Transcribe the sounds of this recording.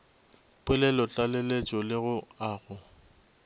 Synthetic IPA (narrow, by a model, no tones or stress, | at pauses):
pʼwɪlɛlɔt͡ɬʼalelet͡ʃʼɔlɪɣʊaːɣʊ